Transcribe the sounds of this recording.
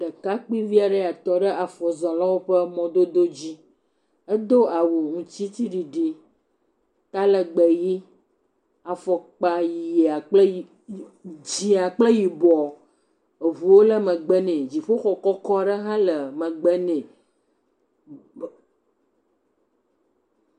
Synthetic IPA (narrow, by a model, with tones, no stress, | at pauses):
ɖə˨ka˦k͡pi˦vi˦a˨ɖə˦a˨t̪ɔ˦ɖə˦a˨fɔ˨zɔ̃˨la˦wo˦ɸə˦mɔ̃˦d̪o˦d̪o˦d͡ʑi˦ | ə˦d̪o˦a˨wu˨ŋũ˨t͡ɕi˦t̪i˦ɖi˨ɖi˨˦ | t̪a˦lə˨ɡ͡bɛ˨ji˦ | a˨fɔ˨k͡pa˨ji˨ja˨k͡pl | d͡ʑi˨a˨k͡plə˦ji˨bɔ˨ | e˨vu˨wo˦lə˦mə̃˨ɡ͡bɛ˦nɛ̃˨d͡ʑi˨ɸo˦xɔ˨kɔ˦kɔ˦ɖə˦ɦã˦lə˨mə̃˨ɡ͡bɛ˦nɛ̃˨